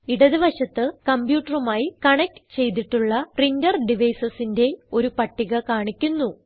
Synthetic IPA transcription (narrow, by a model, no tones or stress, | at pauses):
iɽɐðiʋɐɕɐt̪ːɨkɐmbjuːʈːɐrumaːjikɐɳɐk̚ʈt͡ɕe̞jt̪iʈːuɭːɐprindɐrɖiʋɐjsɐsinde̞o̞ɾupɐʈːiɣɐkaːɳikʲːunːu